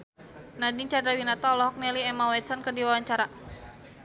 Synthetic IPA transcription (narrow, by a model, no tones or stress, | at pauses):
nadiŋt͡ʃadɾawinat̪aɔlɔɦɔk̚nɛliɛmawɛt̪sɔnkərdiwawaɲt͡ʃaɾa